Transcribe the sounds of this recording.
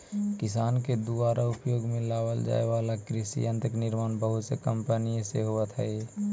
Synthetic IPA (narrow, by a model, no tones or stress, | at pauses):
kɪsaːnked̪ubaːɾaʊpjoːɡmẽlaːbəld͡ʒa̰ːeʋaːlakɾɪsḭə̃nt̪ɪknɪɾmaːnbəɦʊt̪sekəmpənijeseɦoət̪ɦɛe